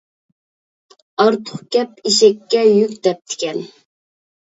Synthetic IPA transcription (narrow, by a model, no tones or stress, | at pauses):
ɑɾt̪ʰʊ̥χkʲɛpiʃɛkʲːɛjykʲd̪ɛp̚t̪ʰɪ̥kʲʰɛn